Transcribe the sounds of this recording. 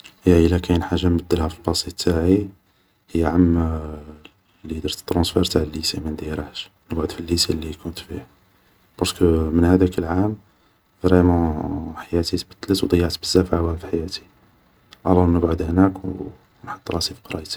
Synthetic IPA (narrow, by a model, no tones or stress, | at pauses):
jæəlækænħaʒːanbəd̪ːəlhæfilbɑsˤit̪t̪ːaʕi | həjːʕam | lːid̪iɾt̪t̪ːɾɑ̃sfɛɾt̪aʕəlːisimənd̪iɾæʃ | nəbʕʊd̪filːisilːikʊnt̪fih | b̥ɑɾˤskəmənhæd̪ækəlʕam | vɾɛmɑ̃ħajæt̪it̪bæd̪ːələt̪wd̪ˤɑjːɑʕt̪bəz̥ːæfʕawæfiħajæt̪i̥ | ʔɑlˤːɑnəbʕod̪hnæk | nħɑt̪ˤːɾˤɑsifi̥qɾˤɑ̰jt̪